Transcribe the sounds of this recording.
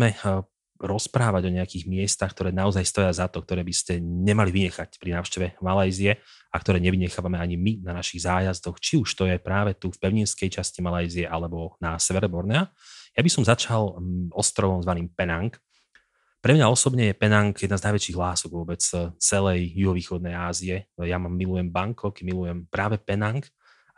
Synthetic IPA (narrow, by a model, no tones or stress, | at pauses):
mɛ | ɾɔspɾaːʋaɟɔɲɛakiːɣmɪɛst̪axk̚t̪ɔɾɛːnaɔzajst̪ɔjazat̪ɔk̚t̪ɔɾɛːbiscɛɲɛmaliʋiɲɛxacpɾinaːʊʃcɛʋɛmalajziɛ | akt̪ɔɾɛːɲɛʋiɲɛxaːʋamɛaɲiminanaʃiɣzaːjazd̪ɔxt͡ʃiuʃt̪ɔjɛpɾaːʋɛt̪ufpɛʊɲinskɛjt͡ʃascimalajziɛʔalɛbɔnasɛʋɛɾɛbɔɾnɛa | jabisɔmzat͡ʃalɔst̪ɾɔʋɔmzʋaniːmpɛnaŋk | pɾɛmɲaɔsɔbɲɛjɛpɛnaŋkjɛd̪naːznajʋɛt͡ʃiːɣɦlaːsɔɡʋʊɔbɛt͡st͡sɛlɛjjuɦɔʋiːxɔd̪̚nɛjaːziɛjamamːilujɛmbaŋkʰɔkɛmilujɛmpɾaːʋɛpɛnaŋk